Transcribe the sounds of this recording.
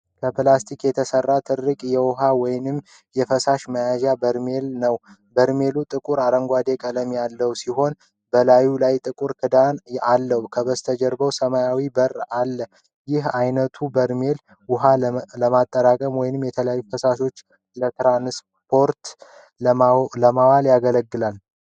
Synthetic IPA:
kʰəplast̪ʰikjɛt̪ʰəsərːat̪ʰɨɾːɨkʼjɛwʊɦawɔjnɨm | jɛfəsaʃməjaʒabəɾme̞lnəw | bəɾme̞lut̪ʼɨkʼuɾaɾəŋɡʷad̪e̞kʼələmjalːəwusiɦo̞n | bəlajulajt̪ʼɨkʼuɾkʰɨd̪analːəwukʰəβəst̪ʰəd͡ʒəɾbəwsəmajawibəralːə | jɪhajnət̪ʰubəɾme̞l | wʊɦaləmat̪ʼːəɾakʼəmwɔjɪnɨmjɛt̪ʰələjajːufəsaʃo̞t͡ʃː | lət̪ʰɾans | pʰo̞ɾt̪ | ləmawaljaɡələɡːɨlal

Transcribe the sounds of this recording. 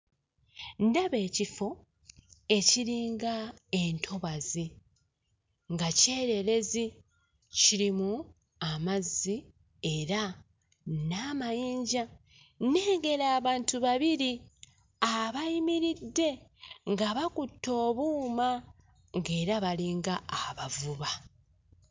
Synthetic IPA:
ndaβe̞ːcifo̞ | e̞ciɾiːŋɡae̞ntʰo̞βazi | ŋɡace̞ːɾe̞ɾe̞zi | ciɾimu | amazːi | e̞ɾa | namajiːɲɟa | ne̞ːɡe̞ɾaːβaːntuβaβiɾi | aβajimiɾidːe̞ŋɡaβakutːo̞ːβuːma | ŋɡe̞ːɾaβaliːŋɡaːβavuβa

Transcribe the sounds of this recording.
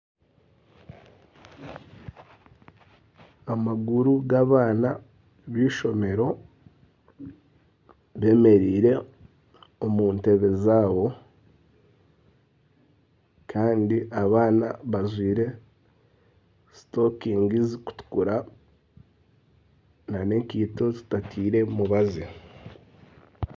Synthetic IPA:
amaɡuɾuɡaβaːna | βiːʃo̞me̞ɾo̞ | βe̞me̞ɾiːɾe̞ | omuːnte̞βe̞zaːβo̞ | kʰaːndiʔaβaːnaβazwiːɾe̞ | sto̞kiːŋɡiziku̥tu̥kuɾa | nane̞kiːto̞tu̥tatʰiːɾe̞muβazi

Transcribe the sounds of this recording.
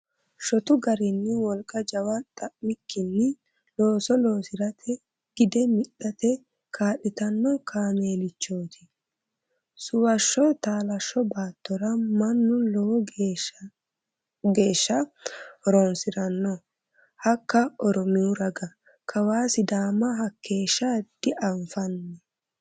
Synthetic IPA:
ʃɔt̪ʊɡɐɾɪnːɪwɔlkʼɐd͡ʒɐwɐt̪ʼɐʔmɪkʰːɪnːɪ | lo̞ːsɔlo̞ːsɪɾɐt̪ʰɛ | ɡ̥ɪd̪ɛmɪɗːɐt̪ɛ | kʰaːɗɪt̪ɐnːɔkʰaːme̞ːlɪt͡ʃːo̞ːt̪ʰɪ | sʊwɐʃːɔt̪aːlɐʃːɔbaːt̪ːɔɾɐmɐnːʊlɔwɔ | ɡe̞ːʃːɐɾonsɪɾɐnːɔ | hɐkːɐɔɾɔmɪʊɾɐɡɐ | kʰɐwaːsɪd̪aːmɐɦɐkːe̞ːʃːad̪̥ɪʔɐɱfɐnːɛ

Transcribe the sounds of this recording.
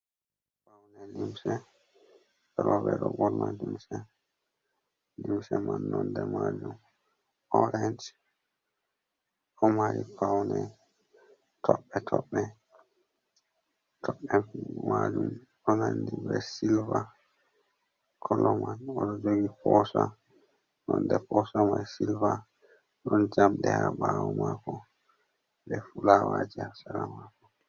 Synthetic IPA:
pawnɛlimsɛ | ɛɾɔvɛɾɔbɔɾmadimsɛ | limsɛmanːɔndɛmad͡ʒum | ɔɾɛnt͡ʃ | ɔmaɾipawnɛ | tʰɔɓːɛtʰɔɓːɛ | tʰɔɓːɛmaːd͡ʒum | ɗɔnandibɛsilva | kʰɔlɔmanɔɗɔd͡ʒoɡipɔsa | ɗɔndɛpɔsamajsilva | ɗɔnd͡ʒamɗɛhabawɔmakɔ | dɛfulawad͡ʒiasaɾamakɔ

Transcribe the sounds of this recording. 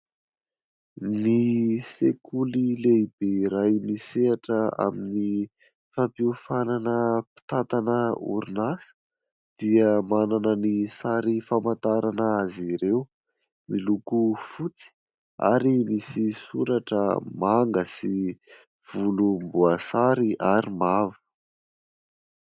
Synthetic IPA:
nisekʰulileib̥eɾajmiseaʈ͡ʂəa̰mini | fapiufananəpi̥t̪at̪anəṵɾunasə̥ | d̪̥iəmananənisaɾifamant̪aɾanəaziɾew | milukufut͡si̥ | a̰ɾimisisuɾaʈ͡ʂə̰maŋɡəsi | v̥ulumbuasaɾiʔaɾimavə̥

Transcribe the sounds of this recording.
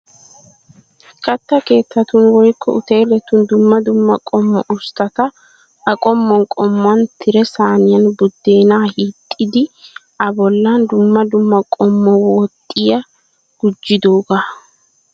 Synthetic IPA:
kʼɐt̪ːɐke̞ːt̪ːɐt̪ʊnwɔjkʰːɔ̰ʊt̪e̞ːlɛt̪ʊnd̪ʊmːɐd̪ʊmːɐkʼɔmːɔ̰ʔʊst̪ɐt̪ɐ | ɐkʼɔmːɔŋkʼɔmːɐnt̪ʰɪɾɛsaːnɪjɐnbʊd̪ːe̞ːnaːhit̪ʼːɪd̪ɪ | ɐbɔlːand̪ʊmːɐd̪ʊmːɐkʼɔmːɔwɔt̪ʼːɪjɐ | ɡ̥ʊd͡ʒːɪd̪oːɡɐ

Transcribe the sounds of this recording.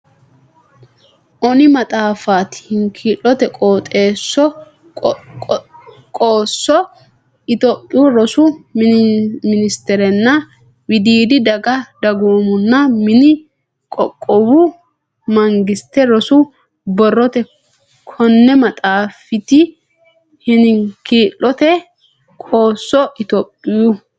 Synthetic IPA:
ʔɔnɪmɐt̪ʼaːfaːt̪hɪŋkʰiːlːɔt̪ɛkʼoːt̪ʼe̞ːsːɔ | kʼoːsːɔ | ɪt̪opʼːɪjʊɾɔsʊ | mɪnɪst̪ɛɾɛnːɐ | wɪd̪iːd̪ɪd̪ɐɡɐd̪ɐɡoːmʊnːɐmɪnɪ | kʼɔkʼːɔbʊ | mɐŋɡɪst̪ːɛɾɔsʊ | bɔrːɔt̪ɛ | kʰɔnːɛmɐt̪ʼaːfɪt̪ɪ | hɪnɪkiːlːɔt̪ɛ | kʼoːsːɔʔɪt̪ɔpʼːɪjʊ

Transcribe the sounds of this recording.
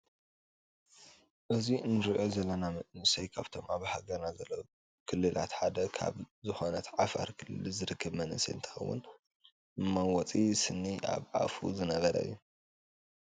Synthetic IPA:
ʔɨziɨnɨɾiʔo̞zɐlːɐnamɨʔnɨsɐjkʰaβt̪ʰo̞maβhaɡɐɾnazɐlːɐ | kʰɨlːɨlʔa̰t̪ħad̪ɐkʰa̰βzɨxonɐt̪ʰʕafa̰ɾkʰɨlːɨlzɨɾɨkʰːɐβmɐnɨsɐ̰ɨnt̪ʰɨ̥xɐ̰wːʊ̰n | ɨmːawɔt͡sʼisɨnːiʔa̰βʕa̰fṵzɨnɐβɐɾɐ̰ɨ̰jːu

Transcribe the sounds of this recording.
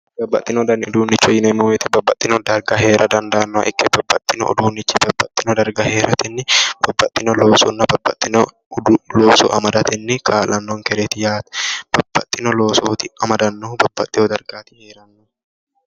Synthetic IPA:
bɐbːɐt̪ʼːɪnɔd̪ɐnːɪɔd̪uːnːɪt͡ʃːɔjɪnɐmːɔmɛt̪ɪbɐbːɐt̪ʼːɪnɔd̪ɐɾɡɐɦe̞ːɾʔɐd̪ɐnd̪aːnːɔɐ̰ʔɪkːɛbɐbːɐt̪ʼːɪnɔ̰ɔ̰d̪uːnːɪt͡ʃːɪbɐbːɐt̪ʼːɪnɔd̪ɐɾɡɐhe̞ːɾɐt̪ɪnːɪb̥ɐbːɐt̪ʼːɪnɔloːsɔnːɐbɐbːɐt̪ʼːɪnɔ | loːsɔ̰ʔɐ̰mɐd̪ɐt̪ɪnːɪkʰaːlʔɐnːɔŋkɛɾɛt̪ɪjaːt̪b̥ɐb̥ːɐt̪ʼːɪnɔloːsɔt̪ɪɐmɐd̪ɐnːɔbɐbːɐt̪ʼːɪɔd̪ɐɾɡaːt̪ɪ̥heːɾɐnːɔ

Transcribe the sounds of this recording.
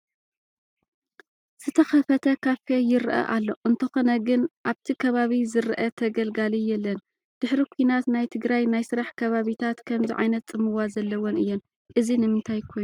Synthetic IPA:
z̥ɨt̪ʰɐxɐfɐt̪ʰɐkʰaffejɪɾʔɐ̰ʔalːo̞ʔɨnt̪ʰɐxo̞nɐɡɨnʔaβt̪ʰikʰɐβaβizɨɾʔɐt̪ʰɐɡɐlɡalijɛlːɐn | d̪̥ɨħɾikʰuinat̪najt̪ʰɨɡɾajnajsɨɾaħkʰɐβaβit̪ʰat̪kʰɐmziʕa̰jnɐt̪ʼːɨmɨwazɐlːɐwonɨjːon | ʔɨzinɨmɨnt̪ʰajkʰo̞jnu

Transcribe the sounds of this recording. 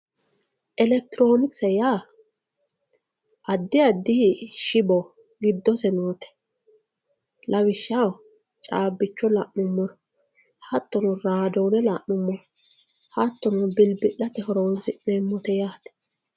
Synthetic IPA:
ʔɛlɛk̚t̪ɪɾoːnɪksɐjaː | ʔɐd̪ːɪɐd̪ːɪʃɪbɔ | ɡɪd̪ːɔsɛnoːt̪ɛ̥ | lɐwɪʃːɐw | t͡ʃʼaːbːɪt͡ʃːɔlɐʔnʊmːɔɾ | hɐt̪ːɔnɔɾaːd̪ɔwnɛlɐʔnʊmːɔɾ | hɐt̪ːɔnʊbɪlbɪʔɐt̪ɛhɔɾonsɪmemːɔt̪ɛjaːd̪ɛ̥

